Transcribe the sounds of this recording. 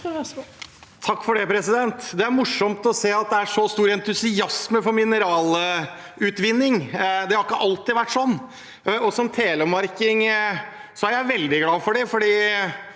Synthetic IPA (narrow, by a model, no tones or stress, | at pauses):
t̪ʰɑkːfɔɖɛpʰɾɛsɪd̪ɛnt̪d̪ɛæɾmʊʂɔmt̪ɔseːɑt̪̚d̪ɛæʂɔst̪uːɾɛnt̪ʉsɪɑsməfɔɾmɪnəɾɑːl | ʉːt̪ʋɪnːɪŋd̪ɛhɑɾɪkːəʔɑlt̪ɪʋæʈːʂɔnː | ɔsɔmt̪ʰeːləmɑɾkɪŋ | sɔæɾjæɪʋɛld̪ɪɡlɑːfɔɖɛfɔɖiː